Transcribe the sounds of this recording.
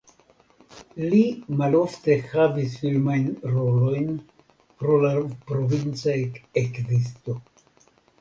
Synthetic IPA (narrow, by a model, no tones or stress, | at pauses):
limalo̞fte̞xavisfilmajnɾo̞lo̞jn | pɾo̞lapɾo̞vint͡saekzis̬to̞